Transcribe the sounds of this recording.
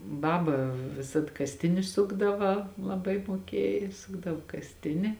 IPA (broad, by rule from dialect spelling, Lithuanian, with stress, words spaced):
ˈbɑːbɐ ʋʲɪˈsɐt kɐsʲˈtʲɪnʲɪ ˈsʊɡdɐʋɐ lˠɐˈbɐɪ muɔˈkʲiɛj ˈsʊɡdɐʋoː kɐsʲˈtʲɪnʲɪ